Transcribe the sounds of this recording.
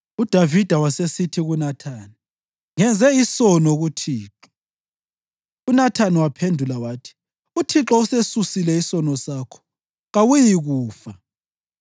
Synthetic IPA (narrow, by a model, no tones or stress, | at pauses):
ud̥ʱavid̥ʱawasesitʰiɣunatʰaːni | ŋɛnd͡zʱɛisɔnɔɣutʰiːǁɔ | unatʰaniwapʰendʱulawaːtʰi̥ | utʰiǁɔusesusilɛisɔnɔsaːkʰɔ̥ | ɣawujiɣuːfa